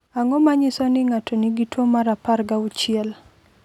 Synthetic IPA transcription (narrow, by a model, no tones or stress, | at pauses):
aŋɔmaɲɪsɔnɪŋatʰɔniɡitwomaɾaparɡaʊt͡ʃɪɛl